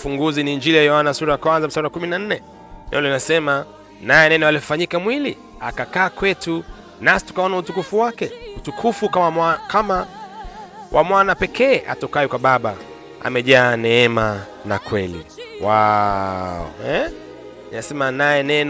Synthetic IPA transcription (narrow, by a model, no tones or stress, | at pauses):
fuŋɡuziniɲd͡ʒilijajɔhanasuɾajakwanzam̩saɾakuminan̩nɛ | nɛ̰ulinasɛma | najɛnɛnɔaliɔfaɲikamwili | akakaːkwɛtu | nasi̥tu̥kaɔnautukufuwakɛutukʰufukamaakama | wʔamwanapɛkʰɛːʔa̰tɔkajɔkwaɓaɓa | a̰mɛʄaːnɛɛma | nakwɛlḭwa | ɔ̰ɛ | ninasɛmanajɛnɛn